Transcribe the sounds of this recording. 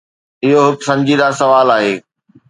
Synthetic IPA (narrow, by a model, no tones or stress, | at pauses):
ɪɦoɦʊksɐ̃ɲd͡ʑid̪asɐʋaːlaːɦeː